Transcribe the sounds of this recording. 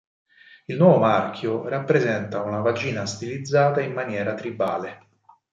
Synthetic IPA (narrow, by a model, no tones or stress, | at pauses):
ilnwɔːvomark̟ʰjorapːɾezɛnt̪aunavad͡ʒiːnast̪ilid̪zːaːt̪aimmːanjɛːɾat̪ɾibaːle